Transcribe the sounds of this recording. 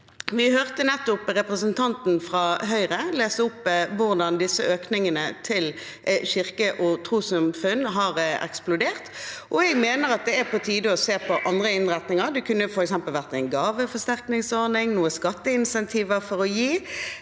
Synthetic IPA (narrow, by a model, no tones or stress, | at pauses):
ʋɪhøːʁt̪ənɛt̪ːʊpʁɛpʁəsənt̪ʰɑnt̪n̩fʁɑɦœʏʁəleːsəʊpʋʊʁd̪ɑnd̪ɪsːəøːknɪŋənət̪ʰɪl | çɪʁkəʔɔt̪ʰʁuːsɑmfʉnːɦɑʁɛ̰ksplʊd̪eːʁt̪ʔɔɛɡmeːnəɾɑt̪̚d̪ɛæpʰɔt̪ʰiːd̪əɔseːpʰɔʔɑnd̪ʁəɪnʁɛt̪nɪŋəʁd̪ʉkʰʉnːəfɔɾɛksɛmpəlʋæʁt̪æɪnɡɑːʋəfɔʁʂt̪æʁknɪŋsɔʁnɪŋnuːəskɑt̪ːəɪnsɛnt̪ʰiːʋəfɔɾɔjiː